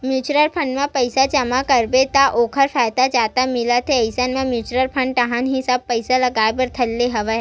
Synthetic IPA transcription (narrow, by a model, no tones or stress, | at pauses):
mjuːt͡ʃɾəɾpʰə̃ɳɖmãpəɪsat͡ʃɐmakɐɾbet̪aʔoːkʰəɾfʰɛːd̪ad͡ʒaːt̪amɪlat̪ʰeɐɪsənmẽmjuːt͡ʃɾəɾpʰə̃ɳɖʈɐɦanɦisɐb̚pɐɪsalɐɡaːebɐɾt̪ʰɐlːeɦɐʋəɦ